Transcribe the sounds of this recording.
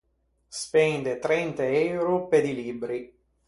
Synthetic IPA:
spɛnd̪et̪ɾɛnt̪eɛwwɾoped̪ilibɾi

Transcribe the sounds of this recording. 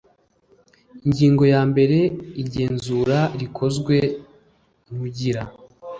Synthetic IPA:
iɲɟiːŋɡo̞jaːmbe̞ɾe̞iɾɟe̞ːnzuːɾaɾikʰo̞zɡwe̞ | umuɟiɾa

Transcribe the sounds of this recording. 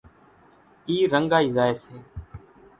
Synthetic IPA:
iːɾəŋɡaːiːzaːeːseː

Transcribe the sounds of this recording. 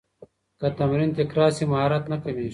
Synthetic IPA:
kɐt̪ɐmɾint̪ikɾaːɾsimɐɦaːɾɐt̪nɐkɐni

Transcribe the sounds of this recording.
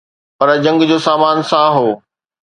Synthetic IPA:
pɐɾd͡ʑɐ̃ŋɡd͡ʑoːsaːmaːnsãɦoː

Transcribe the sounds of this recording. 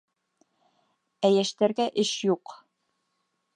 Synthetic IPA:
æjæʃt̪æɾɡæʔɘʃjuq

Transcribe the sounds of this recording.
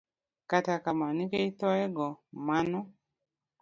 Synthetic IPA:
katakamanikeitɔɛɡɔmanɔ

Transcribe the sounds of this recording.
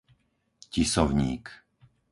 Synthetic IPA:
cisɔʊɲiːk

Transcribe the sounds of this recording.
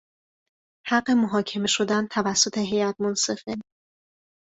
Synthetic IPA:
hæɢːe̞moɦɒːcʰe̞me̞ʃo̞d̪ænt̪ʰævæsːo̞t̪ʰe̞ɦe̞jæt̪̚ʰmonse̞fen

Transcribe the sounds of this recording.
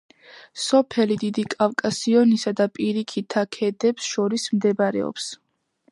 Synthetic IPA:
sɔpʰɛlid̪id̪ikʼavkʼasiɔnisad̪apʼiɾikʰit̪ʰakʰɛd̪ɛpsʃɔɾismd̪ɛbaɾɛ̰ɔ̰ps

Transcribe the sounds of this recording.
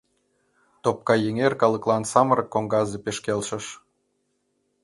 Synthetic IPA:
t̪op̚kɑjeŋerkɑlə̆klˠɑnsɑməɾɤ̆kːoŋɡɑzepeʃkelʃə̆ʃ

